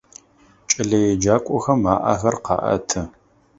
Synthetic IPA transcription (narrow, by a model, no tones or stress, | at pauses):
t͡ʃʼɪɮɐjɛd͡ʒaːkʷʼɔxɐmaːʔa̰xɐrqɑ̰ːʔɐ̰tʰɨ